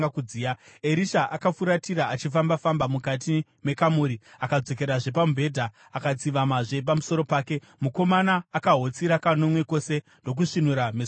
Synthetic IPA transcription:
akuiːaeɾiʃaʔakafuɾatiɾaat͡ʃifambafambamukat̬ime̞kamuːɾiakad͡zo̞k̬e̞ɾaʐe̞pambʱe̞dʱaː | kat͡siʋamaʐe̞p̬amuso̞ɾo̞paːke̞ | muko̞manaːkaɦo̞t͡siɾakano̞mwe̞ko̞se̞ | ndo̞k̬uʂinuɾames

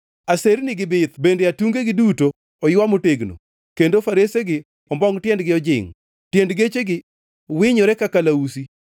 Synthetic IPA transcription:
aseɾnɪɡɪbɪt̪bendeatuŋɡeɡɪdutoː | jwamoteɡno̰ | kendofaɾeseɡɪ | ɔmbɔŋtjɛndɡɪɔd͡ʒɪ̰ŋ | tjendɡet͡ʃeɡɪ | wɪɲɔɾɛkakalausi

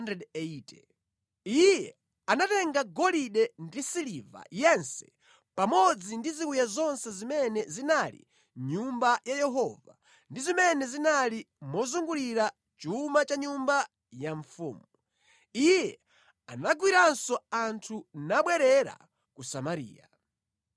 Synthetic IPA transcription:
ndɛdɛitɛ | ijɛ | anatɛŋɡaɡɔliɗɛndisiliva̰jɛnsɛ̥ | pamɔd͡zindizikujazɔnsɛzimɛnɛzinalḭ | ɲumbajajɛɦɔva̰ | ndizimɛnɛzinali | mɔzuŋɡuliɾa | t͡ʃumat͡ʃaɲumba | jaɱfṵːmu | ijɛ | anaɡwiɾansɔantʰunaɓwɛɾɛɾa̰ | kusamaɾḭːja

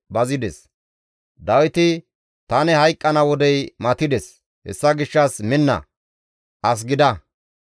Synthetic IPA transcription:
bɐzɪd̪ɛs | d̪ɐwɪt̪ɪ | t̪ɐnɛhɐjkʼːɐnɐwɔd̪ɛjmɐt̪ɪd̪ɛs | hɛ̰sːɐɡɪʃːɐsmɪnːɐ̰ | ʔɐs̬ɡɪd̪ɐ

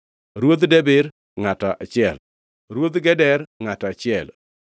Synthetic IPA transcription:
ɾwod̪dɛbɪɾ | ŋatɔʔat͡ʃɪɛl | ɾwod̪ɡɛdɛɾŋatat͡ʃɪɛl

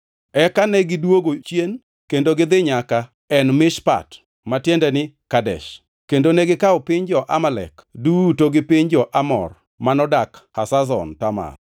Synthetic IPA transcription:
ɛkanɛɡɪdwoɡot͡ʃjen | kendoɡɪd̪ɪɲaka | ɛnmɪʃpa̰t | matjendɛnɪkadɛ̰ʃ | kendonɛɡɪkaɔpɪɲd͡ʒɔʔamalɛ̰kdutoɡɪpɪɲd͡ʒɔʔamɔ̰r | manɔdakhasazɔ̰ntama̰n

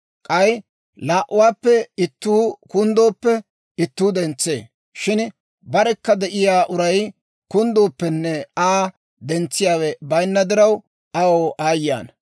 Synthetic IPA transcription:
kʼɐj | laːʔʊwaːpːɛɪt̪ːuːkʊnd̪o̞ːpːɛ | ɪt̪ːuːd̪ɛnt͡sːḛː | ʃɪn | bɐɾɛkːɐd̪ɛʔɪjaːʔʊɾɐj | kʊnd̪oːpːɛnːɛaː | d̪ɛnt͡sːɪjaːwɛbɐjnːɐd̪ɪɾɐw | ɐwoːʔaːjːa̰ːn

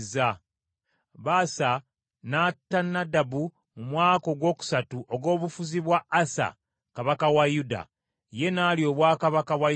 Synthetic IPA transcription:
za | βaːsa | natːanːadabu | mumwaːko̞ɡwo̞ːku̥satuʔo̞ɡo̞ːβufuziβwaːsa̰ | kaβakawajuda̰ | je̞nalio̞ːβwaːkaβakaβwa

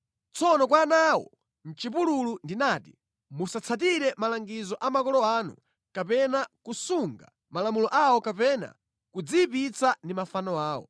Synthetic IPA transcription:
t͡sʰɔnɔkwanawɔ̰ | n̩t͡ʃip̬ululundinaːtḭ | musat͡sʰat̬iɾɛmalaŋɡizɔʔamakɔlɔanṵ | kapɛnakusuŋɡa̰ | malamulɔʔawɔkapɛna̰ | kud͡zipit͡sandimafanɔaːwɔ̰

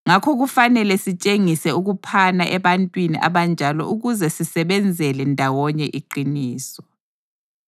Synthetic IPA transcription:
ŋakʰɔk̬ufanɛlɛsit͡ʃʼeŋisɛuk̬upʰanaʔɛɓantʼwinḭʔa̰ɓand͡ʒʱalɔ̰ʔuɣ̬uzɛsisɛɓɛnd͡zʱɛlɛndʱawɔɲɛʔiǃiniːsɔ

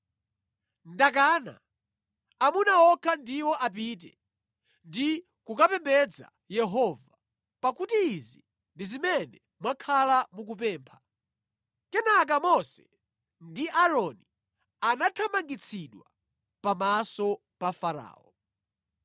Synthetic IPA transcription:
ndak̬aːna̰ː | munaɔkʰandiwɔʔap̬it̬ɛ̰ | ndi | kukapɛmbɛd͡za̰ | jɛɦɔva | pakutiːzi | ndizimɛnɛ | mwakʰalamuk̬up̬ɛːmpʰḁ | kɛnak̬amɔsɛ̥ | ndiʔaɾɔni | anatʰamaŋɡit͡sʰiɗwa̰ | pamasɔ | pafaɾa̰ːɔ̰

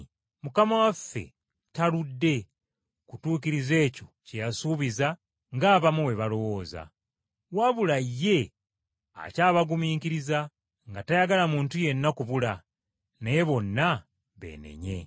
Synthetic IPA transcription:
mukamawafːe̞̰ | taludːe̞ | kutuːkiɾize̞ːco̞ | cejasuːβiza | ŋɡaːβamuwe̞βalo̞wo̞ːza̰ | waβulajːe̞ | a̰caːβaɡumiːkiɾiza | ŋɡatajaɡalamuːntuje̞nːakuβula | nejeβo̞nːa | βe̞̰ːne̞̰ɲe̞̰

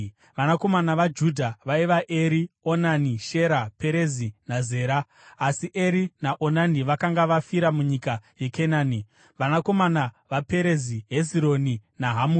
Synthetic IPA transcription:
ʋanako̞manaʋad͡ʒudʱaʋaiʋaʔe̞ɾionaniʃe̞ɾapeɾe̞zinaze̞ːɾaː | siʔe̞ɾinaʔonaniʋakaŋɡaʋafiɾamuɲikaje̞kenaːni | ʋanako̞mana | ʋape̞ɾe̞ziɦe̞ziɾo̞ninaɦamuːri

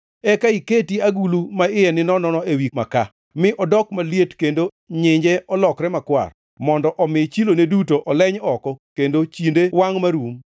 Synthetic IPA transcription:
ɛkaiketiaɡulumaɪjɛnɪnɔnɔnɔewikmaka | mɪʔɔdɔkmaljetkendo | ɲɪɲd͡ʒɛɔlɔkɾɛmakwa̰r | mɔndɔʔɔmɪt͡ʃilonedutoʔɔlɛɲɔkɔkendot͡ʃindewaŋmaɾum

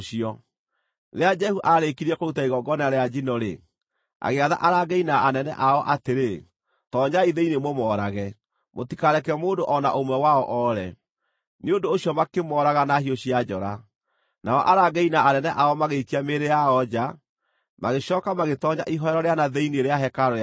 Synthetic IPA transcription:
ɕiɔ | ðead͡ʒɛhuʔaɾekiɾiɛkoɾutaiɣɔɡɔnaɾead͡ʑinɔɾḛ | a̰ɣeaða̰ʔaɾaɡɛinaːnɛnɛ̰ʔaɔʔateɾe | tɔɲaiðeinemomɔːɾaɣɛ | motikaɾɛkɛmoːndoʔɔna̰ʔomwɛwaɔʔɔɾɛ | neondoːɕjɔmakemɔɾaɣanahioɕiad͡ʒɔɾa | naɔ̰ʔaɾaɡɛinaanɛnɛʔaɔmaɣeikiameɾejaɔd͡ʒa | maɣeɕɔːkamaɣetɔɲaʔiɦɔɛɾɔɾeanaðeineɾeaɦɛkaɾɔ

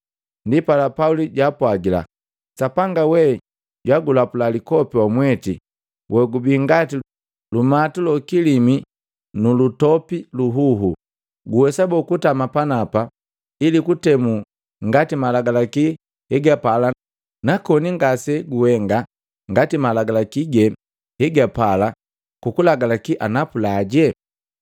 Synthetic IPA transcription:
ndipalapauliɟwapwaɡila̰ | sapaŋɡawɛ | ɟwaɡulapulalikɔpiwamwɛtḭ | wʔɛɡubiŋɡati | lumatulɔkilimi | nulutɔpiluɦuɦṵ | ɡuwɛsabɔkutamapanapa | ilikutɛmu | ŋɡatimalaɡalaki | hɛɡapala | nakɔniŋɡasɛɡuhɛŋɡa | ŋɡatimalaɡalakiɡɛ | hɛɡapala | kukulaɡalakiʔanapulaɟɛ

